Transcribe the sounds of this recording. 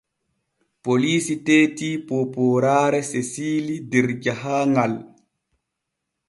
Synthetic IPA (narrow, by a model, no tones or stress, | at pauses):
poliːsiteːtiːpopoːɾaːɾɛsesiːlidiɾd͡ʒaɦaːŋal